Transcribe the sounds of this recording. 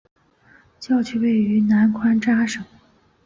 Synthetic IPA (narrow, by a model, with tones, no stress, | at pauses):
t͡ɕjɑ˥˧ʊt͡ɕʰy˥˩we˥˩ɪy˧˥na˧˥nkʰwa˥nʈ͡ʂa˥ʂɤ˨˩˦ŋ